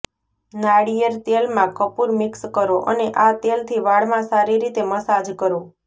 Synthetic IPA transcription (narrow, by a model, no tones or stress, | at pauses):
naɽijəɾt̪elmãkəpuɾmɪkskəɾoʔə̰neʔat̪elt̪ʰiʋaɭmãsaɾiɾit̪eməsad͡ʒkəɾo